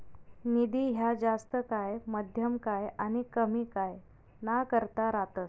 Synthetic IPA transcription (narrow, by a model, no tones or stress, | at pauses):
nid̪iːɦjad͡zast̪əkajməd̪ʱjəmkajañikəmikaj | nakəɾt̪aɾat̪əs